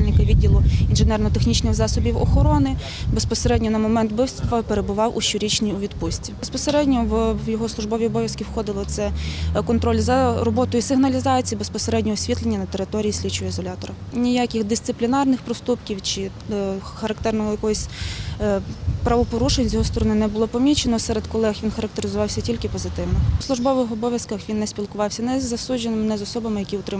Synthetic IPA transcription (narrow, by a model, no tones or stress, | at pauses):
lʲnɪkɐʋʲidʲːilˠʊinʒɪnɛrnɔt̪exnʲit͡ʃnɪxzɑsɔbʲiwɔ̰xɔɾɔnɪ | bespɔseɾɛdʲnʲɔnɐmɔmɛnt̪bɪwt̪st̪ʋɐpeɾebʊʋɑwʔuʃt͡ʃɔɾʲit͡ʃnʲiuʋʲid̪pusʲtʲibespɔseɾɛdʲnʲɔwjɔɦɔslˠʊʒbɔʋʲiɔbɔʋʲjɐskʲiwxɔd̪ɪlˠɔt̪sɛkɔnt̪ɾɔlʲzrɔbɔt̪ɔjisɪɦnɐlʲizɑt͡sʲijibespɔseɾɛdʲnʲɔɔsʲʋʲit̪lˠenʲːɐnɐt̪eɾɪt̪ɔɾʲijisʲlʲit͡ʃʊizɔlʲat̪ɔɾɐ | nʲijakʲɪxd̪ɪst̪ɪplʲinɑrnɪxpɾɔst̪upkʲiwt͡ʃɪ | xɐɾɐkt̪ɛrnɔɔjɐkɔɔsʲ | pɾɐʋɔpɔɾuʃenʲt͡sʲɔɦɔst̪ɔɾɔnɪnɛbʊlˠɔpɔmʲit͡ʃenɔsɛɾed̪kɔlˠɛxʋʲinxɐɾɐk̚t̪eɾɪzʊʋɑwsʲɐtʲilʲkɪpɔzɪt̪ɪwnɔslˠʊʒbɔʋɪxɔbɔʋʲjɐskɐxʋʲinːɛsʲpʲilˠkʊʋɑwsʲɐnɛzɐsud͡ʒenɪmnɛzɔsɔbɐmɪjɐkʲiʊt̪ɾɪ